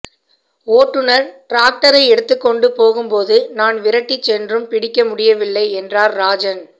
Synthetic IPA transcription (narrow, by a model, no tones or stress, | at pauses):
oːʈːɯnɐɾʈɾaːk̚ʈɐɾɐɪɛɽɯt̪ːɯkːɔɳɖɯpoːɣɯmpoːðɯnaːnʋɪɾɐʈːit͡ʃːɛndrɯmpɪɽɪkːɐmʊɽɪjɐʋɪlːɐɪɛndraːɾːaːd͡ʒɐn